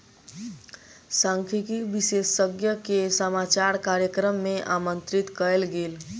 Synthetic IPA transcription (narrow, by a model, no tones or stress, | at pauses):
sãŋkʰikiʋisesːəɡjəkesəmat͡ʃaɾkaɾjəkɾəmːeʔamənt̪ɾit̪kəlɡel